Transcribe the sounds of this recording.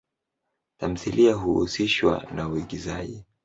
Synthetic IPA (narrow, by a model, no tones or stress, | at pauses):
tam̩θiliaɦuusiʃwa̰nauiɠizaʄi